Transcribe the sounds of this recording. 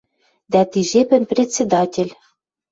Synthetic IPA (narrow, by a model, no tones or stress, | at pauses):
d̪æt̪iʒepɘ̆nprʲetʲt͡sʲːed̪ɑtʲĕlʲ